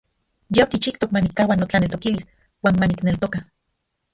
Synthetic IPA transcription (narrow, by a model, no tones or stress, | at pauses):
jeokit͡ʃikt̪okmanikːawanot͡ɬanelt̪okilis | waːnmaniknelt̪oka